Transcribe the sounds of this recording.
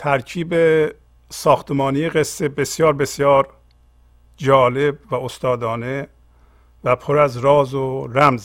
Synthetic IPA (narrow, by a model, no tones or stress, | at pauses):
t̪ʰæɾcʰiːbe | sɒːxt̪emɒːnijeɣesːe̞be̞sjɒːɾbe̞sjɒːɾ | d͡ʒɒːle̞bvæost̪ɒːd̪ɒːne | væpʰoɾæzɾɒːzoɾæmz